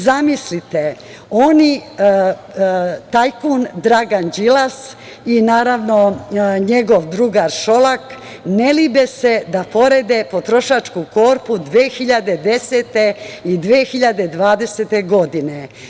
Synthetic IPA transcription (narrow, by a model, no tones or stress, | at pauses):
zamislit̪e | oni | t̪ajkund̪ɾaɡand͡ʒilas | inaːɾaʋnoɲe̞ɡoʋd̪ɾuɡaɾʃo̞lak | nelibese̞d̪apo̞ɾed̪e̞pot̪ɾo̞ʃat͡ʃkuko̞ːɾpud̪ʋeːxiʎad̪e̞d̪e̞set̪eid̪ʋeːxiʎad̪e̞d̪ʋaːd̪e̞set̪e̞ɡo̞d̪ine